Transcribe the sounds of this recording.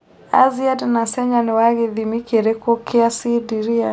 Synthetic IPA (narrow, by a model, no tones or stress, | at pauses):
a̰ziadnasɛɲaniwaɣiðimikeɾekɔkʰiasidiɾia